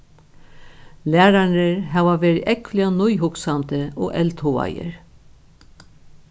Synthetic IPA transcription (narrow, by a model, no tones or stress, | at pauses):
læːɾaɳəɹɦaːʋaʋeːɾɪʔɛkflɪanʊjɦʊksamt̪əɔːʔɛlt̪ʰuːa̰jə̰ɹ